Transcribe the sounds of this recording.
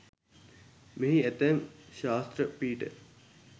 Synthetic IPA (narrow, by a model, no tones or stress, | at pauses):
meɦiet̪emɕaːst̪ɾəpiːʈə̰